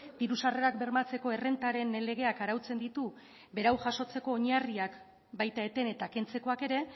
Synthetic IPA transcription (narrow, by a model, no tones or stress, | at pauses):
d̪̥iɾusare̞akbe̞ɾmat͡se̞ko̞e̞re̞nt̪aɾe̞nle̞ɣ̞e̞akaɾawt͡se̞nd̪it̪u | be̞ɾawʝaso̞t͡se̞ko̞ːɲariak | bajt̪ae̞t̪e̞ne̞t̪ake̞nt͡se̞ko̞ake̞ɾe̞